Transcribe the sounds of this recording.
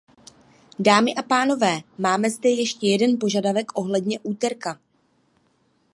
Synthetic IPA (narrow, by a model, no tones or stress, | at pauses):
daːmɪʔapaːno̞vɛːmaːmɛzdɛjɛʃcɛjɛdɛnpo̞ʒadavɛkʔo̞ɦlɛdɲɛʔuːt̪ɛɾka